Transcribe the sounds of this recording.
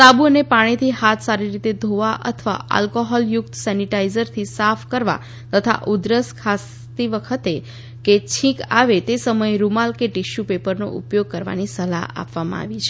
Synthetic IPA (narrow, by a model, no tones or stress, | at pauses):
t̪abuənepaɽ̃it̪ʰiɦat̪ʰsaɾiɾit̪ed̪ʱoʋaʔə̰t̪ʰəʋa̰a̰lkoɦɔljʊkt̪əsɛniʈaizəɾt̪ʰisafʰkəɾʋa̰ | t̪ət̪ʰa̰ʔud̪ɾəskʰas | t̪iʋəkʰət̪e | ket͡ʃʰĩka̰ʋet̪esəməjeɾumalkeʈiʃjupepəɾno̰ʔṵpjoɡ̚kəɾʋa̰nisəla̰a̰pʋamã̰a̰ʋit͡ʃʰe